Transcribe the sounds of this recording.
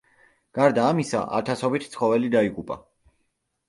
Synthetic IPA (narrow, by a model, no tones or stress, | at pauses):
ɡ̥aɾd̪aːmisa̰ʔa̰t̪ʰasɔbit̪ʰt̪sʰχɔvɛlid̪aikʼupʼa